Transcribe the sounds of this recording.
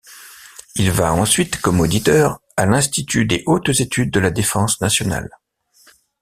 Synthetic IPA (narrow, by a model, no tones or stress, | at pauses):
ilvaɑ̃sɥit̪kɔmod̪it̪œʁ | alɛ̃st̪it̪yd̪eʔot̪zet̪yd̪̚ːəlad̪efɑ̃snasjɔna̰l